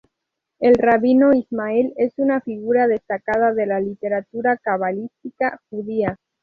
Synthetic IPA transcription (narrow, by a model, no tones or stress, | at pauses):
e̞lraβinoizmaele̞sunafiɣuɾaðe̞st̪akað̞aðe̞lalit̪e̞ɾat̪uɾakaβalist̪ikaxuð̞ia